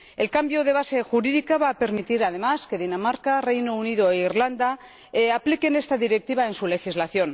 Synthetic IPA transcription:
e̞lkambjoð̞eβ̞ase̞xuɾiðikaβaːpe̞ɾmit̪iɾað̞e̞maske̞ðinamaɾkare̞jnounið̞oeiɾland̪a | eaplike̞ne̞st̪aðiɾe̞k̚t̪iβae̞nsule̞xizlaθjo̞n

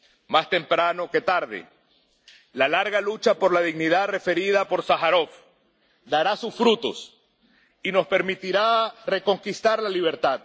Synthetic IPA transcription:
mast̪e̞mpɾano̞ke̞t̪aɾðḛ | lalaɾɣalut͡ʃapo̞ɾlaðiɣniðaðre̞fe̞ɾiðapoɾsaxaɾo̞f | d̪aɾasusfɾut̪o̞̰s | ino̞spe̞ɾmit̪iɾare̞ko̞ŋkist̪aɾlaliβ̞e̞ɾt̪að

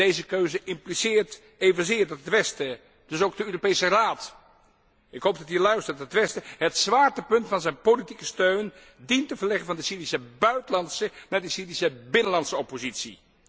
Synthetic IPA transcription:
dejzəkøɥzəʔɪmplisɪːɹt | ejvənzɪːɹdɑtətʋɛstə | d̥ɵsowɡ̚dəøːropejsəraːt | ɪkɦowp̚dɑtɦiːlœɥstəɹtətʋɛstəɦətsʋaːɹtəpɵntfɑnzɛjnpolitikəstøɥn | dintəvəɹlɛχənvɑndəsiːrisəbœɥtəlɑntsənaːɹdəsiːrisəbɪnəlɑntsəɔpozitsḭ

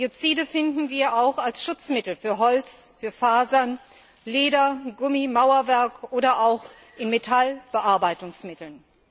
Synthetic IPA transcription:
d̥iot͡siːdəfɪndn̩viːɐʔaʊxalsʃʊt͡smɪtl̩fyːɐɦɔlt͡sfyːɐfaːzɐn | leːdɐɡʊmimaʊɐvɛɐkʔoːɾɐʔaʊx | ʔɪnmetʰalb̥əʔaɐbaɪtʊŋsmɪtl̩n

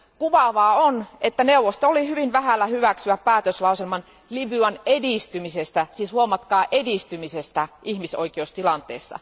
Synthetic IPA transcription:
kuʋɑʋɑːonet̪ːæneuʋːˑost̪oolihyʋinʋæhælːæhyʋæksyæppæːt̪øslɑuselmɑn | libyɑnedist̪ymisest̪æsiːshuomɑt̪kɑːʔedist̪ymisest̪æʔihmiso̰ikeust̪ilɑnt̪ḛːsːɑ̰

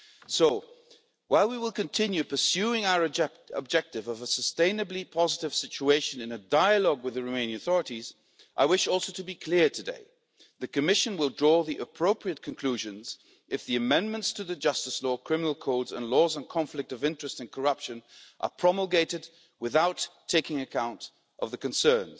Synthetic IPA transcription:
soʊ | waɪlˠwiwəlˠkɨ̃ntʰɪ̃njʉpʰə˞sjʉɪ̃ŋaʊə˞ | ə̰b̚d͡ʒɛk̚tɨvʌvəsəstẽɪ̃nɨblipʰɑzəɾɨv̥sɪt͡ʃueɪʃɨ̃nɨ̃nɨdaɪɨlɔɡwɨðɨɹomẽɪ̃nɪ̃ŋɨθɔɹɨɾiz | ʔaɪwɪʃɔlˠsoʊɾɨbikʰl̥ɪɹtʰɨdḛɪ | ðɨkɨmɪʃɨ̃nwɪlˠdɹɔðiʔɨpʰɹ̥oʊpʰɹiɨt̚kʰɨ̃nkʰl̥ʉʒɨ̃nz | ɨfðiɨmɛ̃nmə̃ntstʰɨðɨd͡ʒʌstɨslɔkʰɹ̥ɪ̃mənl̩ˠkʰɔʊdzə̰̃nlɔzə̃nkʰɑ̃ɱflɨk̚tʌvɪ̃nt͡ʃɹ̥ɨstɨ̃nkʰə˞ʌpʃɨ̃nʔə̰˞pʰɹ̥ɑml̩ˠɡeɪɾɨd̚ | wɨθaʊtʰeɪkɪ̃ŋɨkʰãʊ̃nt | ʔʌvðɨkɨ̃nsɜ̃˞nz̥

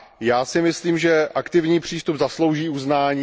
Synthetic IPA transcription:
jaːsɪmɪsliːmʒɛʔakt̪ɪvɲiːpr̝̥iːst̪ubzaslowʒiːuznaːɲiː

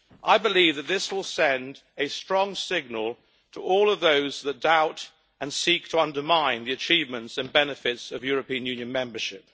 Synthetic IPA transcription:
ʔaɪbɨlivðɨt̪̚ðɪswɪlˠsɛ̃ndɨstɹ̥ɔ̃ŋsɪɡ̚nəlˠ | tʰəʔɔlˠʌvðoʊzðət̚d̥aʊɾ | ɨ̃nsik̚tʰəʌ̃ndə˞mãɪ̃nðiɨt͡ʃʰivmɨ̃ntsɨ̃nbɛnɨfɪtsʌvjʊɹɨpĩɨ̃njʉ̃njɨ̃nmɛ̃mbə˞ʃɪp̚

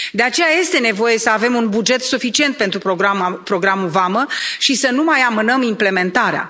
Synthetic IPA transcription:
d̪e̞at͡ʃe̞jaje̞st̪e̞ne̞vo̞je̞səave̞munbud͡ʒe̞t̪sufit͡ʃie̞nt̪̚pe̞nt̪ɾupoapɾo̞ɡɾamuvaməʃisənumajamɨnəmimple̞me̞nt̪aɾea̰

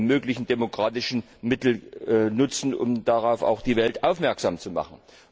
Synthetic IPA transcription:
møːklɪçn̩demokʁ̥aːtɪʃn̩ | mɪtl̩nʊt͡sn̩ʔʊ̰md̥aʁaʊfa̰ʊxd̥iːvɛltʔaʊfmɛɐkz̥aːmt͡suma̰χn̩

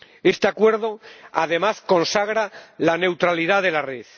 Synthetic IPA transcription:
est̪eakwe̞ɾðo̞aðe̞masko̞nsaɣ̞ɾalane̞wt̪ɾaliðaðe̞lareθ

